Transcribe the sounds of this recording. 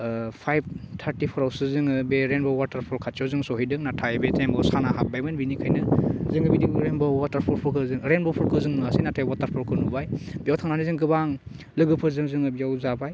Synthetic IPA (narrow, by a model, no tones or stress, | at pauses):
pʰajb̚tʰaɾtipʰɔɾawsɯzɯŋɯbeɾenbɔwataɾpʰɔɾkʰat̚t͡ʃɔwzɯŋsɔɦijdɯŋnatʰajbetʰembɔsanaɦabajmɯnbinikʰajnɯzɯŋɯbidiŋɾenbɔwataɾpʰɔɾpʰɔɾkʰɯzɯŋɾenbɔpʰɔɾkʰɯzɯŋmɯasinatʰajwataɾpʰɔɾkʰɯnubajbijawtʰaŋnanɯzɯŋɡɯbaŋ | lɯɡɯpʰɯzɯŋzɯŋɯbijawzabaj